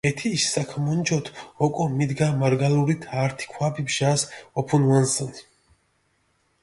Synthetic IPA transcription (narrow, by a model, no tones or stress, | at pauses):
ɛt̪ʰiːʃsakʰmɔnd͡ʒɔt̪ʰɔkʼɔmid̪ɡamaɾɡaluɾit̪ʰaɾt̪ʰi̥kʰwabibʒasɔpʰɔnwansɔni